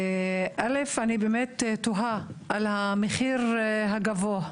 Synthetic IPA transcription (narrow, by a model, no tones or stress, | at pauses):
ʔalefanibeːmet̪toɦaʔalhameχiʁɦaɡavoa